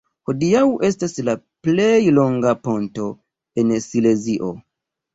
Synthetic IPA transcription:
ho̞diawʔe̞stasla | plejlo̞ŋɡapo̞nto̞ | e̞nsile̞ziʔo̞

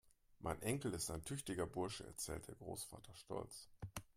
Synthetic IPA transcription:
mʔa̰ɪnʔɛŋkl̩ɪstaɪntʰʏçtɪɡɐbʊɐʃəɛ̰ɐt͡sɛ̰ːlt̚d̥eːɐɡʁoːsfa̰ːtʰɐʃtɔ̰lt͡s

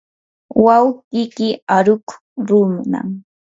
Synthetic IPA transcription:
wawqɪkɪaɾʊk | ɾʊmna̰ŋ

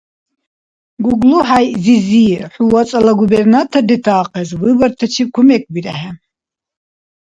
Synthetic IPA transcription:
ɡuɡluɦajziziħuwat͡sʼalaɡubɛɾnat̪ʰad̪ɛt̪ʰaːqʰʼɛzvibaɾt̪ʰɛt͡ʃʰikʰumɛk̚ʰʼbiɾahɛ

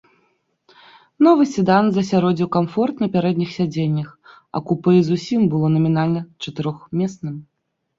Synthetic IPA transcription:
nɔvɨsʲɨd̪anzɐsʲaɾɔd͡zʲiwkamfɔrt̪nɐpʲaɾɛd̪nʲixsʲad͡zʲenʲːɐx | ɐ̰kupɨzusʲimbɨlˠɔnɐmʲinalʲnɐt͡ʂɐt̪ɨɾɔxmʲɛsnɨm

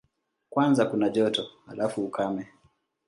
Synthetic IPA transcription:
kwanzakunaʄɔtɔhalafuːkamɛ

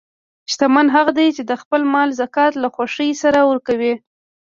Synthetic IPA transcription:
ʃt̪amanɦaɣad̪ajt͡ʃed̪əxpəlmɑlzakɑt̪laxwaʂəjsaɾawəɾkawi

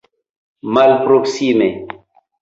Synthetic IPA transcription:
malpɾoksime

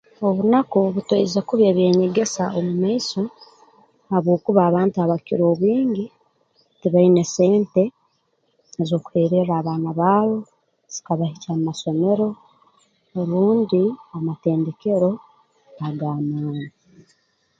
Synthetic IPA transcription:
o̞βunakoβutweizekuβjeːβje̞ːɲe̞ɡe̞saomumaiso | haβwo̞ːkuβaːβaːntuaβakiɾo̞ːβwiːɲɟi | tiβaine̞se̞ːnte̞ | ezo̞ːku̥heːɾe̞ɾaːβaːnaβaːβo̞ | z̥ikaβahicammaso̞me̞ɾo̞ | eɾuːndiamate̞ːnde̞ke̞ɾo̞ | aɡaːmaːni

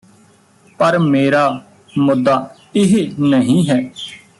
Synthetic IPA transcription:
pəɾmeːɾaː | mʊd̪ːaː | ɪɦenəɦĩːɦɛː

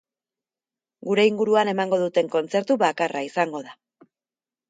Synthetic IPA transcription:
ɡuɾe̞iŋɡuɾuane̞maŋɡo̞ðut̪e̞ŋko̞nt͡se̞ɾt̪uβakarʔaisaŋɡo̞ð̞a

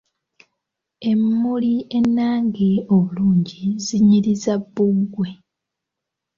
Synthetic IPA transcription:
e̞mːulie̞nːaːŋɡioβuluːɲɟiziɲiɾizabːuɡwe̞

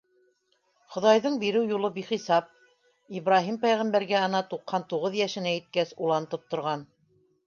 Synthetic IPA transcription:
χŏðɑjðɤɴbiɾɘwjulˠɤbiχisɑp̚ | iβɾɑɦimpæjʁæmbæɾɡæɤ̆nɑt̪uqhɑnt̪uʁɤðjæʃɘ̆næit̪̚kæsulˠɑnt̪ɤp̚t̪ŏɾʁɑn

